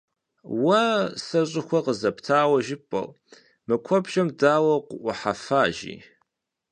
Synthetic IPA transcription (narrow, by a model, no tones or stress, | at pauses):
wɐsɐɕʼɪxʷɔqəzɐptʰaːwɐʒɪpʼɐ̰l | mɨkʷʰɔbʒɐmdaːwɐqʷʊʔʷʊħafaːʒḭː